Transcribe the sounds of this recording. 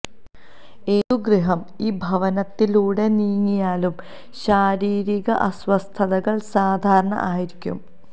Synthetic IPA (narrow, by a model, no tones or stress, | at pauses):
eːðuɡriɦɐm | iːbʱɐʋɐnɐt̪ːiluːɽe̞niːŋːijaːlum | ɕaːɾiːɾiɣɐʔɐswɐst̪ʰɐðɐɣɐɭsaːd̪ʱaːɾɐɳɐ̰ʔaːjiɾikʲːṵm